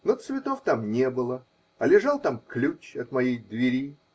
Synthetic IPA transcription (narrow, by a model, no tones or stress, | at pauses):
not̪svʲɪt̪oft̪amnʲebɨlˠə | ɐlʲɪʐalˠt̪amklʲut͡ɕɐt̪mɐjejd̪vʲɪɾʲi